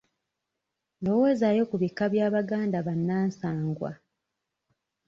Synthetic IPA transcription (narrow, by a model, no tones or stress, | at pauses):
lo̞woːzajo̞kuβikːaβjaːβaɡaːndaβanːaːnsaːŋɡwa̰